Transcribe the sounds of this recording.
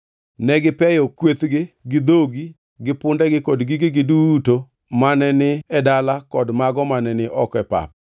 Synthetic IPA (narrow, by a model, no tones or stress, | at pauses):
nɛɡɪpɛjɔkwet̪ɡɪɡɪd̪oɡi | ɡɪpʊndɛɡɪkɔdɡɪɡɪɡɪduto | manɛnɪɛdalakɔdmaɡɔmanɛnɪʔɔkɛpa̰p̚